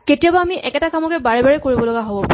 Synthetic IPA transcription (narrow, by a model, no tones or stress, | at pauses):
ketijabaamiʔɛkɛtakamɔkɛbaɹɛbaɹɛkoɹibɔlɔɡaɦobɔp